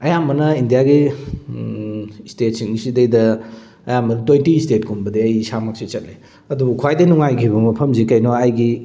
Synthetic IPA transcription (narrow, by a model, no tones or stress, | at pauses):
ɐjambɐnɐindijaɡi | stet̚siŋsidejdɐ | ɐjambɐntwojntistet̚kunbɐdeɐjsamak̚sit͡ʃɐt̚le | ɐdubukʰwajdɐnuŋajkʰibɐmɐpʰɐmzikɐjnoajɡi